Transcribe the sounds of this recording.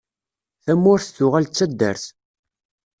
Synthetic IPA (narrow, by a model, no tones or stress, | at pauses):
θæmːʊɾθθʊʁælt͡sːæd̪ːæ̰ɾθ